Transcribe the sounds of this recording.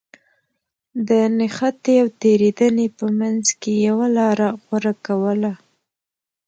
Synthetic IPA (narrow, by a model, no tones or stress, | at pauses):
d̪ənɪxat̪eawt̪eɾed̪ənepəmanzkejawalɑɾaɣwaɾakawəla